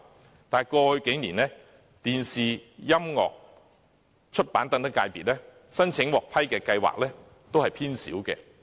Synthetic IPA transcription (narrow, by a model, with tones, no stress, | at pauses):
t̪aː˨˩jkɔː˧hɵ˧ke˨˥jniː˨˩nlɛː˥ | t̪iː˨nsiː˨jɐ˥mŋɔ̰ː˨k̚ | t͡ʃʰɵ˥t̚paː˨˥nt̪ɐ˧ŋt̪ɐ˥ka̰ː˧jpiː˨t̚lɛː˥ | sɐ˥nt͡sʰɪ˨˥ŋwɔː˨˩k̚pʰɐ˥jkɛː˧kɐ˧jwa̰ː˨k̚lɛː˥ | t̪o˥whɐ˨jpʰiː˥nsḭː˨˥wkɛ̰ː˧